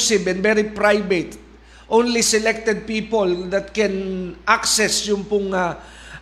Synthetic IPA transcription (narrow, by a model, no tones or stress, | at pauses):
sɪbɛ̃nd̪vɛɾipɹajbɛt̪ | ʔõnlisɛlɛk̚t̪ɛd̪̚piːpold̪ɐt̪̚kɛ̃nʔaksɛsjʊŋpʊŋa